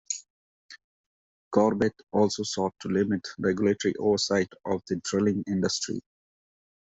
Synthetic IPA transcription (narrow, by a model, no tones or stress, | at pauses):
kɔːɾbeʈɔːlsoːsɔːʈːulɪmɪʈɾeɡjʊleːʈəɾḭʔo̰ːʋəɾsaɪʈɔːʋd̪əɖɾɪlɪ̃ŋɪ̃ɳɖəsʈɾḭ